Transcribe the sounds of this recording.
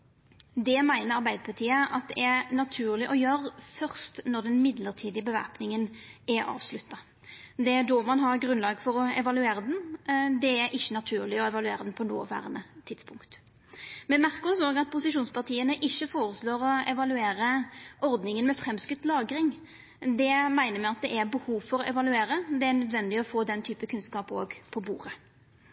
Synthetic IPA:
d̪ɛmæɪnəɾɑʁbæɪd̪əpʰɑt̪ʰiːəʔɑt̪̚d̪ɛænɑt̪ʰʉːʁlɪʔɔjøːɾfœʁst̪nɔʁd̪ɛnmɪd̪ləʁt̪ʰiːd̪ɪəbəʋæ̰ʁpnɪŋənæɑ̰ːʋslʉt̪ːɑ | d̪ɛd̪oːmɑnɦɑʁɡʁʉnlɑːɡfɔɾɔɛʋɑlʉeːɾəd̪ɛnd̪ɛæɾʔɪçːənɑt̪ʰʉːʁlɪɔɛʋɑlʉḛːʁəd̪ɛnpʰɔno̰ːʋæ̰ːʁənət̪ʰɪt̪spʰʊŋkt̪ | mɛnmæʁksoːɡɑt̪̚pʰʊsɪʂuːnspɑʁt̪ʰiːənəʔɪçːəfoːɾəsloːɾɔɛʋɑlʉeːɾəʔɔɾd̪nɪŋənmɛfɾɛmskʉt̪lɑːɡɾɪŋ | d̪ɛmæɪnəmɛɪɑt̪̚d̪ɛʔæɾbəhuːʋfɔɾɔʔɛʋɑlʉeːɾəd̪ɛænœd̪ʋɛnd̪ɪɔfoːd̪ɛnt̪ʰyːpəkʰʉnskɑːpo̰ːɡpʰɔbṵːʁə

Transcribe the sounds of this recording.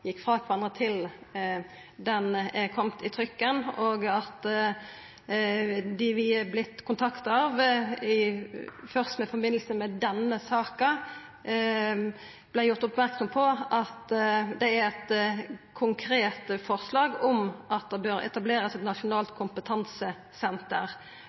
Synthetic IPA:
jɪkːfʁɑːkʰʋɑnʁət̪ʰɪl | d̪ɛnɛkʰɔmt̪ɪt̪ʰɾʏkːənoːɡɑt̪ | d̪ɪʋɪblɪt̪ːkʰʊnt̪ʰɑkt̪ɑʋɪfœʁst̪mɛfɔbɪnəl̩səmɛd̪ɛnəsɑːkɑ | b̥læɪjʊʁt̪ʊpmæɾksɔmpʰɔʔɑt̪d̪ɛæɾɛt̪kʰʊŋkʰɾeːt̪fɔʁslɑːɡɔmʔɑt̪̚d̪ɛbøːɾɛ̰t̪ɑbleːɾəsɛt̪nɑʂʊnɑːlt̪kʰʊmpət̪ʰɑnsə | sɛnt̪əɾ

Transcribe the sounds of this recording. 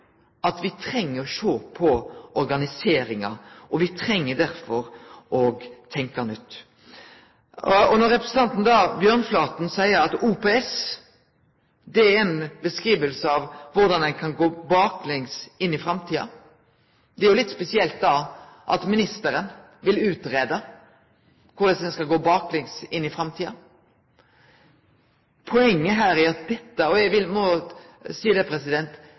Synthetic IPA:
ʔɑt̪ʋɪt̪ʰɾɛŋːəɾɔʃoːpʰɔɔɾɡɑnɪseːɾɪŋɑ̰ʔɔʋɪt̪ʰɾɛŋːəd̪æɾfɔɾʔɔɡt̪ʰɛŋkɑnʏt̪ː | ɔnɔɾɛpɾəsn̩t̪ʰɑnt̪n̩d̪ɑbjœːʁnflɑːt̪n̩sæɪəɾɑt̪upeɛs | d̪ɛæɾɛnbəskʁiːʋəlsəɑʋʋʊɾd̪ɑnd̪ɛnkʰɑnɡoːbɑːklɪŋsɪnːɪfɾɑmt̪ʰiːɑ̰ | d̪ɛæɾjʊlɪt̪ːspɛsɪɛlt̪̚d̪ɑʔɑ̰t̪mɪnɪst̪əɾən | ʋɪlʉːt̪ɾeːd̪ə | kʰʊd̪ɛsd̪ɛnskɑɡoːbɑːklɪŋsɪnːɪfɾɑmt̪ʰiːɑ | pʰɔɛŋːəɦæːɾæɾɑt̪̚d̪ɛt̪ːəɔɛɡʋɪlmɔsiːd̪əpʰɾɛsɪd̪ɛnt̪

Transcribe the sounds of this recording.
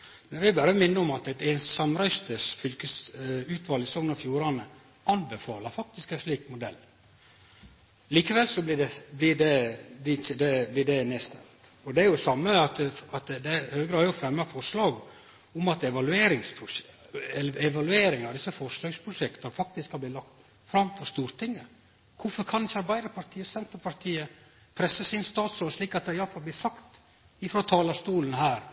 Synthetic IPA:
mɛnʋɪbæːɾəmɪnːəɔmɑt̪ɛt̪ɛːnssɑmɾæʏst̪əsfʏlkəsʉːt̪ʰʋɑːlɪsɔŋnɑfjuːɾɑnə | ɑnbəfɑːləɾfɑk̚t̪ɪskɛnsliːkmʊd̪ɛlː | liːkəʋɛlsɔblɪɖɛblɪɖɛblɪd̪ɛblɪɖɛneːst̪ɛ̰lt̪ | ɔd̪ɛæɾjʊsɑmːəɑt̪ɑt̪d̪ɛhœːəɡɾɑːdjʊfɾɛmːɑfɔʂlɑːɡ | ʊmɑt̪ɛʋɑlʉeːɾɪŋspʰɾʊɛɛʋɑlʉeːɾɪŋɑʋd̪ɪsːəfɔʂløːɡspʰɾʊʂɛkt̪ənfɑk̚t̪ɪskɑb̪ɪːlɑkt̪ | fɾɑmːfɔʂt̪uːɾt̪ʰɪŋːə | kʰʊfɔɾkʰɑnd̪ɪçːəɑɾbæɪd̪əɾpʰɑɾt̪ʰiːəsɛnt̪əɾpʰɑɾt̪ʰiːə | pʰɾɛsːəsɪnst̪ɑːt̪sɾoːlliːkɑt̪̚d̪ɛɪjɑlfɑlb̪ɪːsɑkt̪ | ɪfɾoːt̪ʰɑːlɑst̪uːlən̩ɦæːɾ

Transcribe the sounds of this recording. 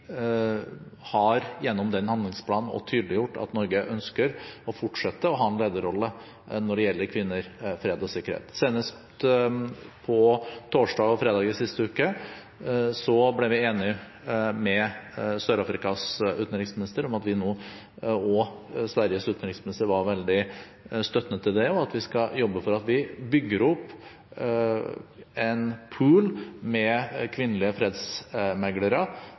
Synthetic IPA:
hɑɾjɛnːɔmd̪ɛnhɑnd̪lɪŋspʰlɑːnn̩ɔ̰t̪ʰyːd̪əlɪjʊʈːɑ̰t̪nɔɾɡəʔœnskəɾɔfʊʈʂɛt̪ːəɔɦɑːɛnleːd̪əɾɔlːə | nɔɖɛjɛlːəɾkʰʋɪnːəɾfɾeːd̪ɔsɪkːəɾhḛːt̪seːnəs | pʰɔt̪ʰoːʂɖɑːɡɔfɾeːd̪ɑːɡ̪ɪsɪst̪əʉːkə | sɔblɛɾʋɪeːnɪ | mɛsœɾɑfɾɪkɑsʉːt̪nəɾɪŋsmɪnɪst̪əɾɔmɑt̪ʋɪnoː | ɔsʋæɾjəsʉːt̪nəɾɪŋsmɪnɪst̪əɾʋɑɾʋɛld̪ɪ | st̪œt̪nət̪ʰːɪld̪ɛɔɑt̪ʋɪskɑjɔbːəfɔɾɑt̪ʋɪbʏɡːəɾɔpː | ɛnpʰʉːlmɛkʰʋɪnːəlɪəfɾeːd̪smɛɡləɾə

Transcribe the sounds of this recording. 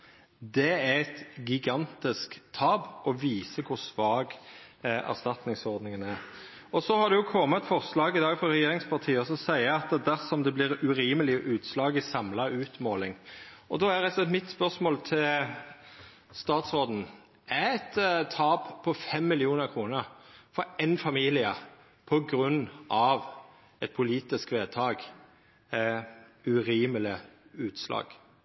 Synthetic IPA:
d̪ɛæɛt̪ɡɪɡɑnt̪ɪskt̪ʰɑːbɔʋiːsəkʰʊɾsʋɑːɡ | æ̰ʁst̪ɑt̪nɪŋsɔʁd̪nɪŋənæɾ | ɔsɔhɑd̪ɛjʊkʰɔmːət̪fɔʁslɑːɡɪd̪ɑːɡfɔɾɛjeːɾɪŋspʰɑʁt̪ʰiːəɔsɔsæɪəɑt̪ɛd̪æʁsɔmd̪ɛblɪɾʉɾiːməlɪʔʉːt̪slɑːɡəsɑmlɑʉːt̪moːlɪŋɔd̪oæɾɛsɛt̪mɪt̪spœʁsmoːlt̪ʰɪl | st̪ɑːt̪sɔd̪n̩ | æɛt̪t̪ʰːɑːppʰɔfɛmːɪlɪuːnəɾkʰʁuːnəɾfɔɛɪnfɑmiːlɪə | pʰɔɡɾʉnːʔɑʋ | ɛt̪̚pʰʊliːt̪ɪskʋeːt̪ʰɑːɡ | æʉɾiːməlɪʉːt̪slɑ̰ːɡ̥

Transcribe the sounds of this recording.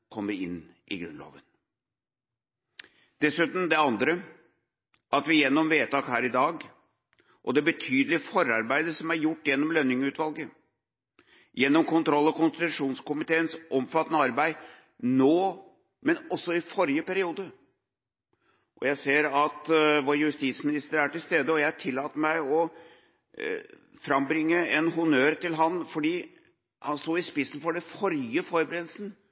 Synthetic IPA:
kʰɔmːəɾɪ̰nː | ʔɪ̰ɡɾʉ̰nlɑ̰ːʋən | d̪̥ɛsʉːt̪n̩d̪ɛɑnd̪ɾə | ʔɑt̪ʋɪjɛnːɔmʋeːt̪ɑːkhæːɾɪd̪ɑːɡ | ʔɔd̪ɛbət̪ʰyːd̪əlɪfɔɾɑɾbæɪd̪əʂɔmæɾjʊʈːjɛnːɔmlœnːɪŋʉːt̪ʋɑlɡə | jɛnːɔmkʊnt̪ʰɾɔlːɑkʊnst̪ɪt̪ʉʂuːnskʊmɪt̪ʰeːənsʔɔmfɑt̪ːənəɑɾbæɪ | noː | mɛnɔsːɔɪfɔɾjəpæɾɪuːd̪ə | ʔɔjæɪseːɾɑt̪ʋoːɾəjʉst̪iːsmɪnɪst̪əɾæʈɪlst̪eːd̪əɔjæɪhɑʈʰɪlːɑːt̪ːəmæɪɔ | fɾɑmbɾɪŋːəɛnhʊnøːɾt̪ɪlɦɑnfɔɖiː | hɑnst̪uːɪspɪsn̩fɔɖɛfɔɾjəfɔɾəbəɾeːd̪lsn̩

